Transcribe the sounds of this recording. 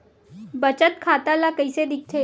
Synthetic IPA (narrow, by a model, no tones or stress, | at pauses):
bət͡ɕət̪kʰat̪alakəjsed̪ik̚ʰt̪ʰe